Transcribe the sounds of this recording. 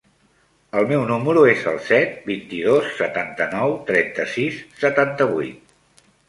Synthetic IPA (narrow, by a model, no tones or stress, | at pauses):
əlˠmɛwnuməɾuezə̰lˠsɛt̪̚bint̪iðosːət̪ant̪ənɔwt̪ɾɛnt̪əsisːət̪ant̪əβujt̪̚